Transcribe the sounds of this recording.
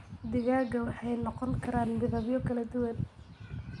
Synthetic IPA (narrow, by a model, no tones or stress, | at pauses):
d̪ɪɣaːɣɐwɑħɑjnɔqɔŋkʰɐɾaːnmɪðɐβjɔkʰɐlɐd̪ʊwɐn